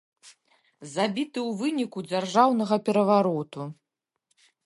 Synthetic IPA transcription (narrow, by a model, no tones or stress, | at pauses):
zabʲit̪ɨwvɨnʲikud͡zʲarʐawnɐɣɐpʲɛɾɐvaɾɔt̪u